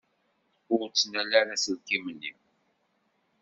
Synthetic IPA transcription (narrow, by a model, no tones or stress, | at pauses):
ʊɾt͡sːənælæɾæsəðkimənːḭm